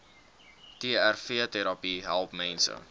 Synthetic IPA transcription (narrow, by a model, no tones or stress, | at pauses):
tiəærfiətɛɾɑpiɦælˠpmɛnsə̰